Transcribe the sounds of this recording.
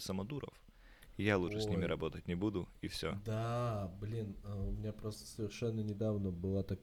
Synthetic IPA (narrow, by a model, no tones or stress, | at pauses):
səmɐd̪uɾə̰f | ɪjalˠuʐɨsʲnʲimʲɪɾʔɐbo̞t̪ət̚ʲnʲɪbud̪ʊifsʲɵd̪ablʲinəʊmʲɪnʲapɾost̪ə̥səvʲɪrʂɛnːənʲɪd̪avnəbɨlˠat̪ɐ